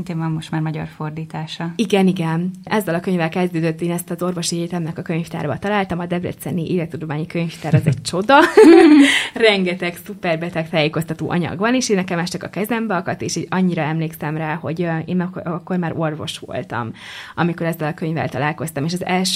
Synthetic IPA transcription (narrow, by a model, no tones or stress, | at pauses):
int̪eːɱvɒmːo̞ʃt̪maːrmɒɟɒ̰rfo̞rd̪iːt̪aːʃɒiɡɛniɡɛnʔɛzːɛlɒkøɲvɛlkɛzd̪øːd̪øt̪ːeːnɛst̪ɒzo̞rvo̞ʃieːt̪ɛmnɛkɒkø̞ɲft̪a̰ːɾbɒt̪ɒlaːlt̪ɒmɒd̪ɛbrɛ̰t̪sɛ̰niʔḛːlɛt̪ud̪omaːɲikøɲft̪aːɾɒzɛct͡ʃo̞d̪ɒ | rɛŋɡɛt̪ɛksupɛrbɛt̪ɛkt̪aːjeːko̞st̪ɒt̪o̰ːʔɒ̰ɲɒ̰ɡbɒneːʃeːnːɛkɛmɛʃt͡ʃɛkɒkɛzɛmbɛɒkɒt̪eːʃiːɟɒɲːiɾɒɛmleːksɛmraːho̞ɟḛːnɛkkːo̞rmaːɾo̞rvo̞̰ʃʋo̞̰lt̪ɒ̰mɒmiko̞ɾɛzːɛlɒkøɲvɛ̰lt̪ɒlaːlko̞st̪ɒmeːʃɒzɛlʃ